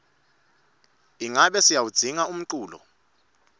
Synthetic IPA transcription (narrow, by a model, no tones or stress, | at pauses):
iŋaɓɛsijawud̥z̥ʱiŋaum̩ǀuːlɔ̰